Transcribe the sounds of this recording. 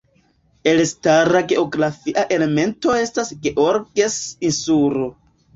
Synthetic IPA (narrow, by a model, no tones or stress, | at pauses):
e̞lstaɾaɡe̞o̞ɡɾafiʔaʔe̞le̞me̞nto̞e̞stasɡe̞ʔo̞ɾɡesinsuɾo̞